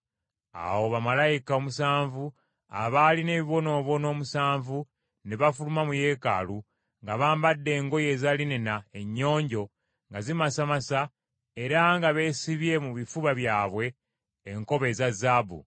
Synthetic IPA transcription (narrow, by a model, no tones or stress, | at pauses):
a̰wo̞βamalajikao̞musaːɱvu | aβaline̞ːβiβo̞no̞ːβo̞no̞ːmusaːɱvu | neβafulumamuje̞ːka̰lu | ŋɡaβaːmbadːe̞ːŋɡo̞je̞ːzalinenae̞ɲːo̞ːɲɟo̞ | ŋɡazimasamasa | eɾaŋɡaβe̞siβje̞muβifuβaβjaːβwe̞ː | ŋko̞βe̞zazabṵ